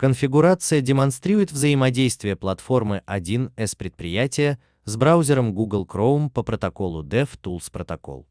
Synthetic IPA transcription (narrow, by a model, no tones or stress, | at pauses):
kənfʲɪɡʊɾat̪sɨjədʲɪmɐnst̪ɾʲiɾʊjɪt̪vzəjɪmɐdʲejst̪vʲɪjəplˠɐt̪fo̞rmɨʔɐdʲinɛspɾʲɪt̪̚pɾʲɪjætʲɪjə | zbɾawzʲɪɾəmɡuɡəlˠkrovmpəpɾət̪ɐko̞lˠʊd̪ɛft̪ulˠspɾət̪ɐko̞̰lˠ